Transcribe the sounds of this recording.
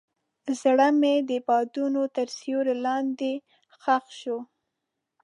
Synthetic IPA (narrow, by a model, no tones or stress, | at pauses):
zɽəmed̪əbɑd̪unot̪əɾsjoɾelɑnd̪e | xaxʃo